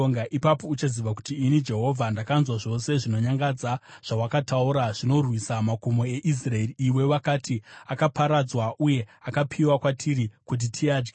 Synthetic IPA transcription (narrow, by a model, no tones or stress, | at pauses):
oŋɡaʔipapo̞ut͡ʃaziʋaku̥tiːnid͡ʒe̞ɦo̞vʱandakanzwaʐo̞se̞ʐino̞ɲaŋɡad͡zaʐ̥awakatauɾaʐ̥ino̞rwisamakomoe̞ʔis̬raeriːwe̞ʋakaːtiakapaɾad͡zwaʔuje̞akapʰiwakwatʰiɾikut̬itʰiaːd͡ʒɡa